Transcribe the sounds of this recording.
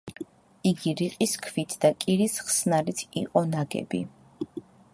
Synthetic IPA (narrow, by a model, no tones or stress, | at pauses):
iɡiɾiqʼiskʰvit̪ʰd̪̥akʼiɾisχsnalit̪ʰḭqʼɔnaɡɛ̰bḭ